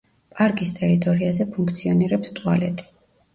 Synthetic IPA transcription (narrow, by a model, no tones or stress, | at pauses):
pʼaɾkʼist̪ʼɛɾit̪ʼɔɾiazɛpʰuŋkʰt̪sʰiɔniɾɛpst̪ʼua̰lɛ̰t̪ʼi̥